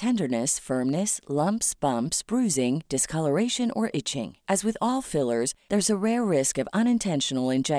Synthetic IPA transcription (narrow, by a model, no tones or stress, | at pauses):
tʰɛ̃ndə˞nɨsfɜ̃˞mnɨslʌ̃mpsb̥ʌ̃mpsb̥ɹʉzɪ̃ŋd̥ɨskʰʌlˠə˞eɪʃɨ̃nə˞ʔɪt͡ʃɪ̰̃ŋʔɨzwɨðɔlˠfɪlˠə˞zðə˞zəɹɛɹːɪskʌvʌ̃ñɨ̃ntʰɛ̃nʃn̩l̩ˠɨ̃nd͡ʒɛ